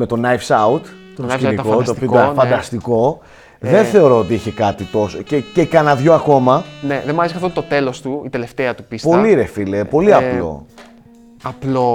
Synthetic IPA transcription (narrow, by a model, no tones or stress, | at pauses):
me̞t̪o̞nɐjfsɐut̪ | t̪skinikot̪ofoofɐnd̪ɐst̪iko̞ | ðe̞nθe̞o̞ɾo̞ot̪iiçe̞kɐt̪it̪o̞socecekɐnɐðʝo̞ɐko̞mɐneðemɐɾeskɐft̪ot̪ot̪e̞lost̪uit̪ele̞ft̪eɐt̪u̥pispo̞liɾefilepo̞liɐplo̞̰ | ɐplo